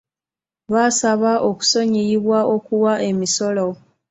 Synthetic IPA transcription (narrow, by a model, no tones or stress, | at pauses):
βasaβaʔo̞ku̥so̞ɲijiβwaʔo̞kuwaʔe̞miso̞lo